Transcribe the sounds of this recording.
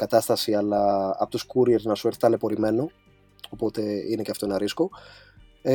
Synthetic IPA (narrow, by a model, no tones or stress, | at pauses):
kɐt̪ɐst̪ɐsiɐlɐːpot̪oskuɾieɾznɐsueɾθet̪ɐle̞po̞ɾime̞no̞ | opo̞t̪e̞ineceɐft̪oenɐɾisko̞